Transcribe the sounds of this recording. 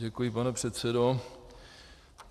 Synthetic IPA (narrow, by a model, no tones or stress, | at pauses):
ɛkujɪpanɛpr̝̥ɛt̪sɛdo